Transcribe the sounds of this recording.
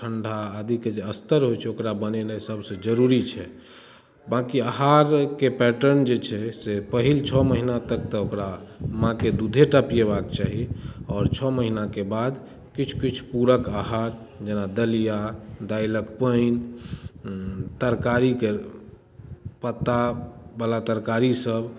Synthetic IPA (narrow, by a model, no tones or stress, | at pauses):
ʈʰəɳɖʱaːd̪ʱiked͡ʒeəst̪əɾɦojt͡ʃʰɛokɾabənenəsəbsẽd͡ʒəɾuɾit͡ʃʰɛ | bakiaɦaɾkepɛʈəɾnd͡ʒet͡ʃʰɛsepəɦilt͡ʃʰɔməɦinat̪ək̚t̪ɔokɾamãked̪ud̪ʱeʈəpijeβakt͡ʃaɦiɔːɾt͡ʃʰɔməɦinakebad̪ | kit͡ʃʰkit͡ʃʰpuɾəkaɦaɾd͡ʒenad̪əlijad̪ajləkpəin | t̪əɾkaɾike | pət̪ːabəlat̪əɾkaɾisəb